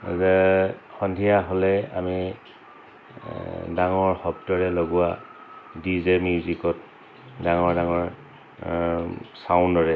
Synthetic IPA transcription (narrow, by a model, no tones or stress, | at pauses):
zɛxɔndʱijaɦolɛa̰mi | daŋɔɹxɔb̚tɔɹɛloɡʊa | dizemjuzikɔt̚ | daŋɔɹdaŋɔɹ | saʊ̃ndɔɹɛ